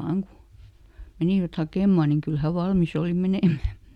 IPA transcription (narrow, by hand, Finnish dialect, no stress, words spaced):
ʋɑːŋ ku meniˑʋæt hɑkeˑmːɑn niŋ kyl hæ ʋɑlmis oˑli meneˑmˑæ